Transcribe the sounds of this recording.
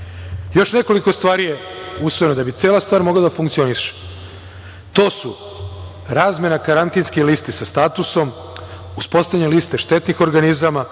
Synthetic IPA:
jo̞ʃne̞ko̞liko̞st̪ʋaːɾijeusʋojenod̪abit̪seːlˠast̪ʋaːɾmo̞ɡlad̪afuŋkt̪sio̞niʃe̥ | t̪o̞ːsu | ɾaːzmjenakaɾant̪inskiliːst̪isast̪aːt̪uso̞m | uspo̞st̪aɲeliːst̪e̞ʃt̪e̞t̪nixo̞ɾɡanizama

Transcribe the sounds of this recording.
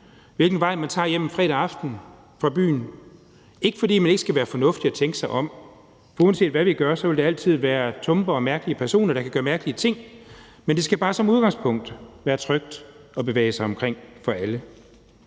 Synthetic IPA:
ʋe̝lɡ̥n̩ʋɑ̈ɪ̰mænt͡sʰɑ̰̈ːjem̰m̩fʁɛðˠæɑ̈fd̥n̩ | fʁɑ̈b̥y̰ːn | e̝ɡ̥əfɒ̽d̥ḭːmæne̝ɡə̥sɡ̥æʋæːɐfɒ̽nɔ̽fd̥iæt͡sʰeŋɡ̥ə̥sɑ̈ɪʔɒ̽m̰ | foːnsʰḛːd̥ʋæʋiɡ̥ɶɐsɒ̽ʋeld̥e̝æl̰t͡sʰið̞̰ˠʋæːɐt͡sʰɔ̽mb̥əɒ̽mæɐɡ̥əliəpʰæɐso̝̰ːnɐɾ̥ɑ̈kʰæɡ̥ɶːɐmæɐɡ̥əliət͡sʰe̝ŋ̰ | mend̥e̝sɡ̥æb̥ɑ̈ːsɒ̽muð̞ˠɡ̥ɑ̈ŋspʰɔ̽ŋ̰d̥ʋæːɐt͡sʰʁœɡ̥̚d̥ɒ̽b̥e̝ʋḛːɪsɑ̈ɪɒ̽mkʰʁeŋ̰fɒ̽ælə

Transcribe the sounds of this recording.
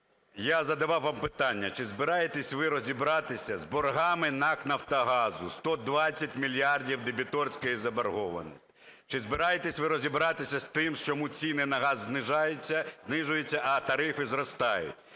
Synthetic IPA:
jazɐd̪ɐʋɑwʋampɪt̪anʲːɐt͡ʃɪzbɪɾɑjet̪ɛsʲʋɪɾɔzʲibɾɑt̪ɪsʲɐzbɔrɦɑmɪnɑknɐwt̪ɐɦɑzʊst̪ɔd̪ʋat͡sʲːɐtʲmʲilʲjardʲiwd̪ebʲit̪ɔrsʲkɔjizɐbɐrɦɔʋɐ̰nisʲtʲ | t͡ʃɪzbɪɾɑjet̪ɛsʲʋɪɾɔzʲibɾɑt̪ɪsʲɐst̪ɪmʃt͡ʃɔmut͡sʲinɪjnɐɦɑzːnɪʒɑjet͡sʲːɐznɪʒʊjet͡sʲːɐɐt̪ɐɾɪfɪzɾɔst̪ɑjʊ̰tʲ

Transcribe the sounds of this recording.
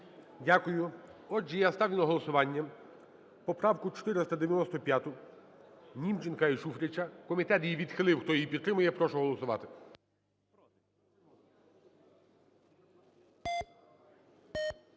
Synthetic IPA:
dʲakʊjʊɔd͡ʒɛjast̪ɑwlʲɪnɐɦɔlˠɔsʊʋɑnʲːɐ | pɔpɾɑwkʊt͡ʃɔ̥t̪ɪɾɪst̪ɐd̪eʋʲjɐnɔst̪ɔpʲjat̪ʊ | nʲimt͡ʃɪnkɐiʃufɾʲɪt͡ʃɐkɔmʲit̪ɛt̪jiʋʲid̪xɪlˠɪwxt̪ɔjipʲid̪t̪ːɾɪmʊjɛpɾɔʃɔɦɔlˠɔsʊʋɑ̰t̪ɪ̥

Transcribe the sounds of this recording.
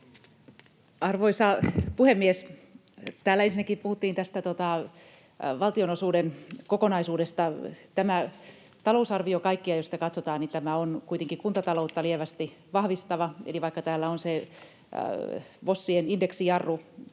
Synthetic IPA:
ɑrʋoisɑpuhemːies | t̪æːlːæensinːækipuhut̪ːiːnt̪æst̪æt̪ot̪ɑ | ʋɑlt̪ionosuːdenkokonɑisuːdest̪ɑt̪æmæ | t̪ɑlousɑrʋiokɑikːiɑjosi̥t̪ækɑt̪sot̪ɑːnit̪æmæonkuit̪eŋkikunt̪ɑt̪ɑlout̪ːɑlieʋæst̪iʋɑhʋist̪ɑʋɑeliʋɑikːɑt̪æːlːæonse | ʋosːienindeksijɑrːu

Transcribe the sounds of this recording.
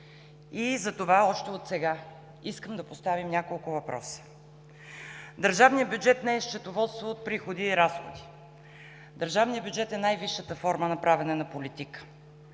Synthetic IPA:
izɐt̪ovaɔʃt̪ɛot̪sɛɡa | iskəmd̪ɐpost̪avimnʲakolˠkʊvɐpɾɔsə̥ | d̪əɾʒavnijəbʲjud͡ʒɛt̪nɛɛʃt͡ʃɛt̪ovɔt̪st̪voːt̪̚pɾixod̪iːɾasxo̰d̪i̥ | d̪əɾʒavnijəbʲjud͡ʒɛt̪ɛnajviʃːət̪əfɔɾmənɐpɾavɛnɛnɐpolit̪ikə̥

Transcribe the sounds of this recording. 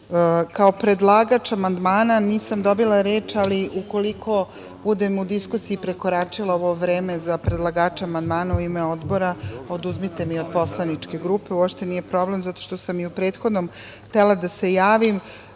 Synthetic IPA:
kao̞pɾed̪lˠaːɡat͡ʃamand̪maːnaniːsamd̪o̞bilˠaɾeːt͡ʃaliʔuko̞likʰo̞ | b̥ud̪emud̪iskusiːpɾe̞ko̞ɾat͡ʃilˠaoʋoʋɾeːme̞zapɾe̞d̪lˠaɡaːt͡ʃeamand̪maːnauimeo̞d̪boɾao̞d̪uzmit̪e̞mio̞d̪̚po̞slˠanit͡ʂke̞ɡɾuːpe̞uopʃt̪e̞nijepɾo̞ble̞mzat̪o̞̥ʃt̪o̞samiupɾeːt̪xo̞d̪nom | xt̪elˠad̪ase̞jaːʋim

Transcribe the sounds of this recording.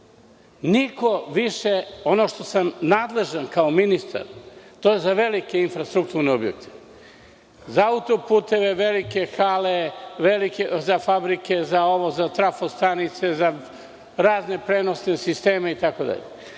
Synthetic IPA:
niko̞ʋiʃeo̞no̞ʃt̪o̞samnaːd̪le̞ʒankaominist̪a̰ɾt̪o̞ːjezaʋe̞like̞infɾast̪ɾuk̚t̪uɾneo̞bjḛk̚t̪ʰe̥ | zaaut̪o̞puːt̪e̞ʋeʋelike̞xaːleʋelikezafabɾike̞zao̞ʋo̞zat̪ɾafost̪anit̪se̞za | ɾaːzne̞pɾeːno̞snesist̪e̞ːme̞it̪ako̞d̪a̰ʎḛ

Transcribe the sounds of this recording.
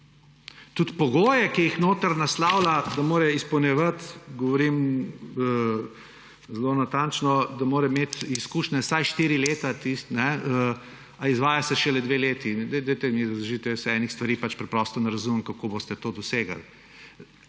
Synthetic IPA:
t̪ut̪pɔɡoːjɛkijixnoːt̪əɾnaslawlad̪ɐmoːɾɛispɔwnjɛʋɐt̪ɡɔʋɔɾiːmə | zlonat̪ant͡ʃnɔd̪amoːɾɛmeːt̪iskuːʃnɛsajʃt̪iːɾileːt̪at̪ist̪nɛə | aizʋaːjasɛʃɛlɛd̪ʋeleːt̪id̪ɛd̪ɛt̪ɛmiɾɐzuʒit̪ɛsɛɛnixst̪ʋaɾiːpat͡ʃpɾɛpɾɔst̪ɔnɛɾɐzuməmkakoːboːst̪ɛt̪oːd̪ɔseːɡa̰l

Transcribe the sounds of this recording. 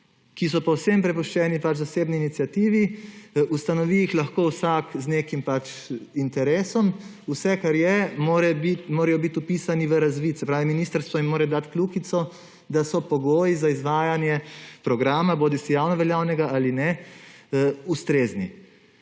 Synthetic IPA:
kis̬ɔpɔwsempɾɛpuʃt͡ʃɛːnipat͡ʃzaseːbniːnit̪sijat̪iːʋiust̪anɔʋiːixlaxkoːwsakzneːkimpat͡ʃint̪ɛɾeːsɔm | usɛkaɾjɛmoːɾɛbimoːɾɛjɔbit̪upiːsaniʋəɾazʋit̪sɛpɾaːʋiminiːst̪əɾst̪ʋɔimːoːɾɛd̪at̪kluːkit̪sɔ | d̪asɔpɔɡoːjizaizʋaːjanjɛpɾɔɡɾaːmaboːd̪isijawnɔʋɛljaːwnɛɡaʔalinɛ | ust̪ɾezni

